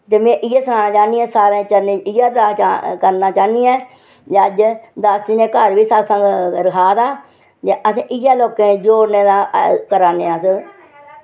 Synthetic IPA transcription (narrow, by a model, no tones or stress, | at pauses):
t̪emẽːʔɪjaːsəkaːnãːt͡ʃaːniɛ̃ːsaːɾẽːt͡ʃənẽːɪjaːɾat͡ʃakəɾnaːt͡ʃaːniːɛ̃ː | d͡ʒəd͡ʒd̪əsd͡ʒinẽːkəɾʋiːsasə̃ŋɡɾəkʰaːd̪aː | d͡ʒeʔəsẽːʔɪjaːloːkẽːd͡ʒoːɾneːd̪ãːkəɾaːneːasə